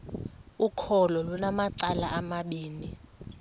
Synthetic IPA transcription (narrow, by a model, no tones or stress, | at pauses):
ukʰɔlɔlunamaǀalaʔamaɓiːni